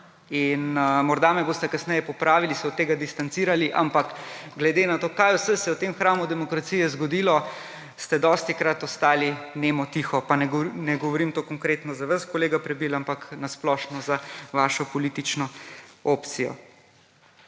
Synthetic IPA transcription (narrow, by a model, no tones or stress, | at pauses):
inmɔɾd̪amɛboːst̪ɛkɐsnɛjɛpɔpɾaːʋilisɛɔt̪ːeːɡad̪ist̪ant̪siːɾaliʔa̰mpakɡlɛd̪eːnat̪oːkajwsɛsɛɔt̪emxɾaːmud̪ɛmɔkɾat̪sijɛzɡɔd̪iːlɔ | st̪ɛd̪ɔːst̪ikɾat̪ɔst̪aːlineːmɔt̪ixɔpanɛnɛɡɔʋɔɾimt̪oːkɔŋkɾeːt̪nɔzaʋaskɔleːɡapɾɛbiːlampaknasplɔʃnɔzaʋaːʃɔpɔliːt̪it͡ʃnɔoːpt̪sijɔ̰